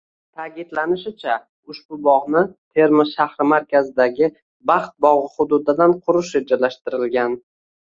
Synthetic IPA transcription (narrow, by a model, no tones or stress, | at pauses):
t̪ʰakʲɪd̪lanɪʃɪt͡ʃʰa | ʊʃbʊbɒʁnɪt̪ʰe̞ɾmɪʃahɾɪmaɾkʲazɪd̪aɡʲɪ | bɑχt̪̚bɒʁɨχʊd̪ʊd̪ɪd̪anqʰʊɾʊʃɾe̞d͡ʒalaʃt̪ɪɾɪlɡʲan